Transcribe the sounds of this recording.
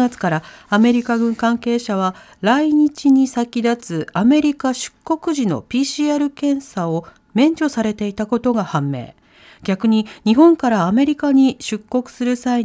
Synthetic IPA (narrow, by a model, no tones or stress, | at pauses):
at͡sɨ̥kaɾaame̞ɾʲikaɡɯ̟̃ŋkãŋke̞ːɕaβ̞a | ɾaiɲ̟it͡ɕiɲ̟isakʲid̪at͡sɨame̞ɾʲikaɕɨ̥kːo̞kɯ̟ʑino̞̰pʲiːɕiaɾɯ̟kẽ̞ɰ̃sao̞ | mẽ̞ɲ̟d͡ʑo̞saɾe̞t̪e̞it̪ako̞t̪o̞ɡahãmːe̞̰ː | ɡ̥ʲakɯ̟ɲ̟iɲ̟iɦõ̞ŋkaɾaːme̞ɾʲikaɲ̟iɕɨkːo̞kɯ̟̥sɨɾɯ̟sai